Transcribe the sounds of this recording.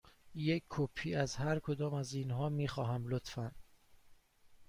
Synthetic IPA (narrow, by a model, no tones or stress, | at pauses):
jekʰkʰːopʰiːæzhæɾkʰod̪ɒːmæziːnɦɒːmiːxɒːɦæmlot̪fæn